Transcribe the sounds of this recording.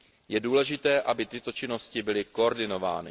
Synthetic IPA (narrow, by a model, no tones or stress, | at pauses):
jɛduːlɛʒɪt̪ɛːʔabɪt̪ɪt̪o̞t͡ʃɪno̞scɪbɪlɪko̞oɾdɪno̞va̰ːnɪ